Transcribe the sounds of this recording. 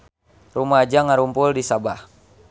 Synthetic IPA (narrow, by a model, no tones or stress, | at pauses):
rumad͡ʒaŋaɾumpʊldisabah